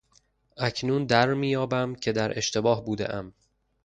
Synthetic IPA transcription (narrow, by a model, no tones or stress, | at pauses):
ʔæcʰnuːnd̪æɾmiːjɒːbæmcʰe̞d̪æɾʔe̞ʃt̪e̞bɒːhbuːd̪ḛʔæm